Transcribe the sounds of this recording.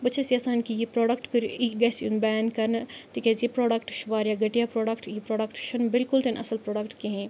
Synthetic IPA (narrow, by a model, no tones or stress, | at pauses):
bɐt̪ːʃʰasijaːsaːnkijipɾoːɖəkʈkɐɾʔiɡɛːsunbɛankɐɾnt̪ikʲezipɾoːɖɐkʈʃʋaːɾjaɡɐʈijapɾoːɖɐkʈjipɾoːɖəkʈʃɐnbɪlkʊlt̪enʔɐ̰səlpɾoːɖəkʈkeɦẽ